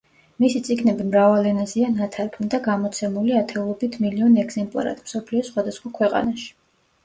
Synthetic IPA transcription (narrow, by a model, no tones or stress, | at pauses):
misit̪sʼiɡnɛbimɾavalɛnazianat̪ʰaɾpʰumd̪aɡamɔt̪sʰɛmuliat̪ʰɛulˠɔbit̪ʰmiliɔnɛɡz̥ɛmpʼlˠa̰ɾa̰t̪ʰmsɔpʰliɔsχwad̪asχwakʰwɛqʼa̰naʃi̥